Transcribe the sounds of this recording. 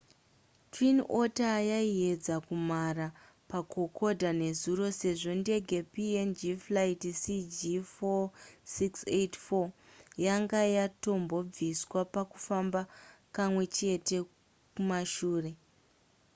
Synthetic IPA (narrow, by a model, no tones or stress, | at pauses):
twino̞tajaie̞d͡zakumara | pakʰo̞kʰo̞dʱane̞zuɾo̞se̞ʐo̞nde̞ɡʱe̞piend͡ʒiflaitisid͡ʒifosiksetfojaŋɡajato̞mbo̞b͡viswapaku̥fambakamwe̞t͡ʃe̞te̞ | kumaʃuːre̞